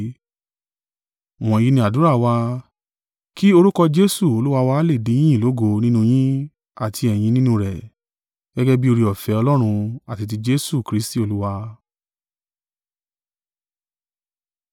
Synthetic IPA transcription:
w̃ɔ̃˨ji˦nĩ˧˦a˨du˨˦ɾa˦˨wa˧ | ki˦o˧ɾu˦kɔ˧d͡ʒe˧˦su˦˨o˧lu˦wa˧wa˧˦le˦˨dĩ˨˦ĩ˦˨lo˨˦ɡo˧˦nĩ˦nũ˧j̃ĩ˦ | a˦˨tʰi˧ɛ˨j̃ĩ˧nĩ˦nũ˧ɾɛ˨ | ɡ̥ɛ˦ɡɛ˦bi˦o˧ɾi˧ɔ˨fɛ˨˦ɔ˧lɔ˦ɾ̃ũ˧a˦˨ti˧t̬i˧d͡ʒe˧˦su˦˨kɾi˨˦sti˦o˧lu˦wa˧

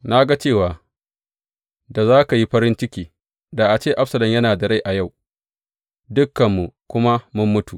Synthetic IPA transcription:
na˦ɡa˦t͡ʃeː˦˨waː˨ | da˨zaː˦ka˨ji˦ɸɐ˦ɾɪ˦nt͡ʃɪ˦kʲiː˨ | daː˨ʔa˨t͡ʃeː˦ʔa˦ɸsɐ˨lɐ˨mjɐ˦naː˨da˨ɽa˦jʔa˨ja˦˨w | dʊ˦kːɐ˨mːu˨kʷʊ˦ma˦mʊ˦mːʊ˦tu˨ʔ

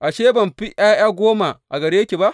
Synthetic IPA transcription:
ʔa˨ʃeː˦bɐ˨mɸi˦ʔj̰aː˦j̰aː˦ɡʷoː˦ma˨ʔa̰˨ɡɐ˨ɾe˦jkʲe˨ba˦ʔ

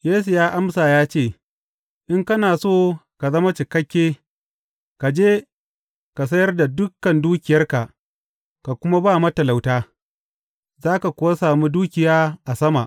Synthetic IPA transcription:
jeː˦s̬u˨jaː˦ʔa˦msaː˨jaː˦t͡ʃeː˦˨ | ʔɪ˦ŋkɐ˦naː˨soː˦ka˨zɐ˦ma˦t͡ʃɪ˨kɐ˦kʲːeː˦ | ka˨d͡ʒeː˦ | ka˨sɐ˦jɐ˦rda˨dʊ˦kːɐ˨nduː˦kʲɪ˨jɐ˦rka˨ʔ | ka˨kʷʊ˦ma˦baː˦˨mɐ˦tɐ˨la˨wtaː˦ | zaː˦ka˨kʷʊ˦wa˦saː˨mu˦duː˦kʲɪ˨jaː˦ʔa˨sɐ˦ma˨ʔ

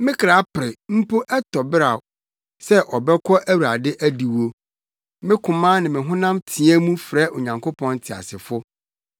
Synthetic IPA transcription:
mɪ̃˦kʰɪ˨ɾa˨˦pɪ˨ɾɪ˨m̩˦po˦ʔɛ˦tʰɔ˨bɪ˦ɾa˨ | sɛ˦ʔɔ˨bɛ˦kʰɔ˦ʔæ˦wu˨ɾa˨dɪ˦ʔæ˦di˨wo˦ | mɪ̃˦kʰʊ̃˨mãː˦nɪ̃˨mɪ̃˨ɦʊ̃˦nã˦mtʰi˨ɛ˦mũ˦fɾɛ˦ʔo˨ɲã˨ŋko˦pʰɔ̃˦n˦tʰi˨a̰˨sɪ˨fʊ˦

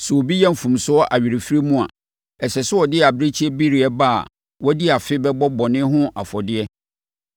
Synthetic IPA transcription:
sɛ˨wo˨bi˦jɛ˦m̩˨fũ˨msʊ˦ɔ˦ʔa˨ɥi˨ɾi˨fi˦ɾi˦mũ˦a̰˨ | ɛ˨sɛ˨sʊ˦ɔ˨dɪ˦a˨bɾe˦t͡ɕʰi˦ɛ˦bi˦ɾi˨ɛ˦ba̰˦˨ | wɔ˦di˦a˨fɪ˦bɛ˦bɔ˦bɔ˨nɪ̃˦ɦʊ̃˦a̰˨fɔ˨dɪ˦ɛ˦

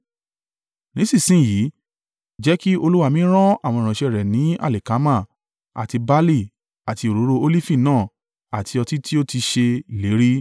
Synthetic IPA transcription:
nĩ˨˦sĩ˦˨sĩ˦˨jiː˨˦ | d͡ʒɛ˦ki˦o˧lu˦wa˦˧mĩ˦ɾ̃ɔ̃˦a˦˨w̃ɔ̃˧˨ɾ̃ã˨ʃɛ˧˨ɾɛ˨nĩ˨˦a̰˦˨le˨ka˨˦mã˦˨ | a̰˨ti˧ba˦li˦˨ | a˨ti˧o˨ɾo˨˦ɾo˧o˧li˦fĩ˦˨nãː˦˨ | a˨tʰi˧ɔ˧ti˦tʰi˦o˦ti˧ʃe˧le˨˦ɾi˦

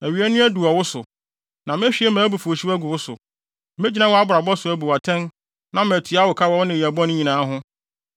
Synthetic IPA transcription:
æ˨ɥi˨æ˦nɪ̃˦æ˦du˨ɔ˨wʊ˦sʊ˨ | nã˨mẽ˦ɕᶣi˨˦ɛ˦mæ̃ː˨˦bu˨fu˨o˨ɕi˦æ˦ɡʊ˨wʊ˦sʊ̰˨ | mẽ˦d͡ʑi˦nã˦wɔ˦a˦bʊ˨ɾa˨bɔ˦sʊ˨æ˦bu˨a˨tʰɛ̃˦n | nã˦mɛ̃˨tʰu˨a˦wʊ˨kʰa˦wɔ˦wʊ˦nɪ̃˨æ˨bɔ̃˦nʊ̃˦ɲĩ˨nãː˨˦ɦʊ̃˦

